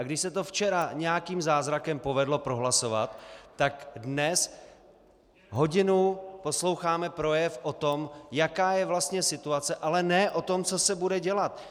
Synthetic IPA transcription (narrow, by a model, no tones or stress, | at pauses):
ʔaɡdɪʃsɛt̪o̞ft͡ʃɛɾaɲɛjakiːmzaːzɾakɛmpo̞vɛdlo̞pɾo̞ɦlaso̞va̰t̪ːakdnɛs | ɦo̞ɟɪnupo̞slo̞wxaːmɛpɾo̞jɛfʔot̪o̞mjakaːjɛvlast̪ɲɛsɪt̪uat͡sɛʔalɛnɛːʔo̞t̪o̞mt͡so̞sɛbudɛɟɛlat̪